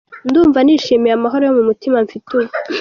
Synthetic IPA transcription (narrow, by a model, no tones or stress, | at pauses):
nduːɱvaniːʃiːmiɾamaɦo̞ɾojomumutimaɱfituβu